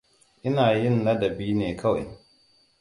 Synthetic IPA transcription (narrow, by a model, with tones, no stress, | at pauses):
ʔɪ˦naː˨jɪ˦˨nːa˦dɐ˨biː˦neː˨kʰa˦wʔɪ̰˨ŋ